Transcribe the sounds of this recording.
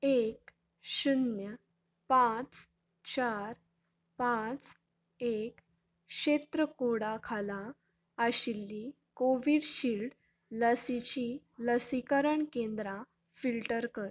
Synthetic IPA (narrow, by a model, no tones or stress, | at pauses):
ek | ɕunjə | pãt͡s | t͡ɕaɾ | pãt͡s | ek | ɕet̪ɾəkuɽakʰala | əɕilːi | koʋiɽɕilɖ | ləsit͡ɕi | ləsikəɾəɳkẽnd̪ɾa | filʈəɾkəɾ